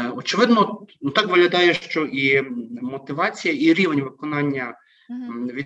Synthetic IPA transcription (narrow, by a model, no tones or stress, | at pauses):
ɔt͡ʃɪʋɪd̪nɔnut̪ɑkʋɪɦlʲɐd̪ɑjɛʃt͡ʃɔʔimɔt̪ɪʋɑt͡sʲijɐiɾʲiʋenʲʋɪkɔnɑnʲːɐ | ʋʲi